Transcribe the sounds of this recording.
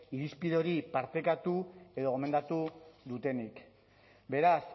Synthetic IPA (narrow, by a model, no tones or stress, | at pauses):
iɾispiðoɾipaɾt̪e̞kat̪ue̞ðo̞ɣo̞me̞nd̪at̪uðut̪e̞nik | be̞ɾas